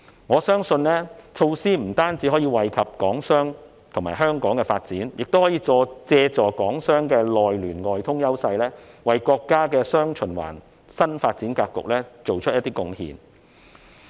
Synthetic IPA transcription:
ŋɔː˨˧sœː˥ŋsɵ˧nlɛː˥t͡sʰo˧wsiː˥m̩˨˩t̪aː˥nt͡si˨˥ɦɔː˨˥jiː˧wɐ˨jkʰɐ˨p̚kɔː˨˥ŋsœː˥ŋ | t̪ʰʊ˨˩ŋmaː˨˩jɦœː˥ŋkɔː˨˥ŋkɛ˧faː˧t̚t͡siː˨˥njɪ˨k̚t̪o˥whɔ˨˥jiː˨˧t͡sɔː˧t͡sɛː˧t͡sɔː˨˩kɔː˨˥ŋsœː˥ŋkɛː˧lɔː˨jlyː˨˩nŋɔː˨jt̪ʰʊ˥ŋjɐ˥wsɐ˧jlɛː˥wɐ˨˩jkɔː˧kːaː˥kɛː˧sœː˥ŋt͡ʃʰɵ˨˩nwa̰ː˨˩n | sɐ˥nfaː˧t̚t͡siː˨˥nkaː˧k̚kːʊ̰˨k̚lɛː˥t͡so˨wt͡ʃʰɵ˥jɐ˥t̪iː˥kʊ˧ŋhḭː˨˧n

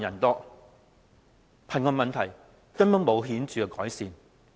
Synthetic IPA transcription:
jɐ˨˩nt̪ɔː˥ | pʰɐ˨˩nkɔː˧mɐ˨nt̪ʰɐ˨˩j | kɐ˥npɐ˨˥ŋmo˨˧wɦiː˨˥nt͡ʃyː˨kɛ˧kɔː˨˥jsiː˨˧n

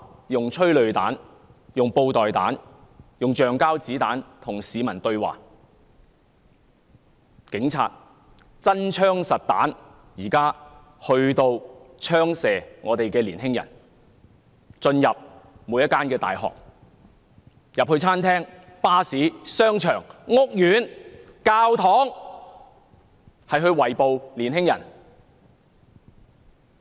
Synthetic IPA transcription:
jʊ˨ŋt͡ʃʰɵ˥ɥlɵ˨ɥt̪aː˨˥n | jʊ˨ŋpo˧wt̪ɔː˨˩jt̪aː˨˥njʊ˨ŋt͡ʃœː˨ŋkaː˥wt͡siː˨˥t̪aː˨˥nt̪ʰʊ˨˩ŋsiː˨˧mɐ˨˩nt̪ɵ˧ɥwa̰ː˨˩k̚ | kɪ˨˥ŋt͡sʰa̰ː˧t̚ | t͡sɐ˥nt͡ʃʰœː˥ŋsɐ˨t̚t̪a̰ː˨˥n | jiː˨˩kaː˥ | hɵ˧ɥt̪o˧wt͡ʃʰœː˥ŋsɛː˨˩ŋɔː˨˧t̪e˨jkɛː˧liː˨˩nɦɪ˥ŋjɐ̰˨˩n | t͡ʃɵ˧njɐ˨p̚muː˨˧jɐ˥t̚kːaː˥nkɛː˧t̪a̰ː˨jɦɔ̰ː˨k̚ | jɐ˨p̚hɵ˧ɥt͡sʰaː˥nt̪ʰɛː˥ŋpaː˥siː˨˥sœː˥ŋt͡ʃʰœː˨˩ŋːʊ˥k̚jyː˨˥nkaː˧wt̪ʰɔː˨˥ŋ | hɐ˨jɦɵ˧ɥwɐ˨˩jpo˨wliː˨˩nɦɪ˥ŋjɐ̰˨˩n

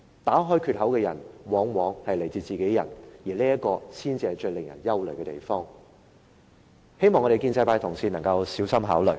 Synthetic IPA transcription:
t̪aː˨˥ɦɔː˥jkʰy˧t̚hɐ˨˥wkɛː˧jɐ̰˨˩nwɔː˨˧˥ŋwɔː˨˧ŋhɐ˨jle˨˩jt͡siː˨t͡siː˨ke˨˥jjɐ̰˨˩njiː˨˩leː˥jɐ˥t̚kɔː˧sʰiː˥nt͡siː˧hɐ˨˩jt͡ʃɵ˧ɥlɪ˨ŋjɐ̰˨˩njɐ˥wlə˨˩ɥkɛː˧t̪ḛ˨˩jfɔː˥ŋ | he˥jmɔː˨ŋːɔ˧ɾe˨jkiː˧nsɐ˧jpaː˧jt̪ʰʊ˨˩ŋsiː˧˩nɐ˨˩ŋkɐ˧wsiː˨˥wsɐ˥mɦaː˨˥wlɵ̰˨˩

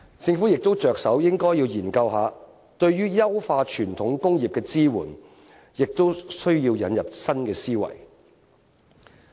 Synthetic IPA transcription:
t͡sɪ˧ŋfu˨˥jɪ˨k̚t̪o˥wt͡ʃœː˨ksɐ˨˥wjɪ˥ŋkɔː˥jiː˧wjiː˨˩nkɐ˧wɦaː˨˧ | t̪ɵ˧ɥjyː˥jɐ˥wfaː˧t͡ʃʰyː˨˩nt̪ʰʊ˨˥ŋkʊ˥ŋjiː˨p̚kɛː˧t͡siː˥wṵː˨˩n | jɪ˨k̚t̪o˥wsɵ˥ɥjiː˧wjɐ˨˧njɐ˨p̚sɐ˥nkɛː˧siː˥wɐ̰˨˩j

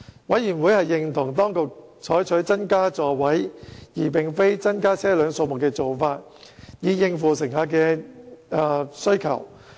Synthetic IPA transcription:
wɐ˨˥jyː˨˩nwu˨˥jhɐ˨jːɪ˨ŋt̪ʰʊ˨˩ŋt̪ɔː˥ŋkʊ˨k̚t͡ʃʰɔː˨˥jt͡ʃʰɵ˨˥ɥt͡sɐ˥nkaː˥t͡sɔː˨˩wɐ˨˥jjiː˨˩pɪ˨ŋfe˥jt͡sɐ˥nkaː˥t͡sʰɛː˥lœː˨˧˥ŋso˧wmʊ˨˩kːɛː˧t͡so˨wfaː˧t̚ | jiː˨˧jɪ˧ŋfuː˨˩sɪ˨˩ŋhaː˧kɛː˧ | sɵ˥ɥkʰɐ̰˨˩w

